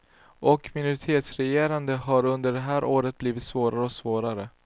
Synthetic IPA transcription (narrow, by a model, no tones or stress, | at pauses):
ʔɔkmɪnʊɾɪt̪ʰeːt̪sɾɛjeːɾand̪əɦaɾɵnd̪əɖɛɦæːɾʔoːɾət̪̚bliːvɪt̪svoːɾaɾəɔksvoːɾaɾə